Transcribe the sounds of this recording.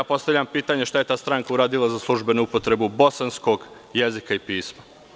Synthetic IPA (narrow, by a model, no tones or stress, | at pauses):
apo̞st̪aʋʎampiːt̪aɲeʃt̪aje̞t̪aːst̪ɾaŋkauɾaːd̪ilˠazaslˠuʒbe̞nuupo̞t̪ɾe̞bubo̞sanskoɡ | jezikaipiːsma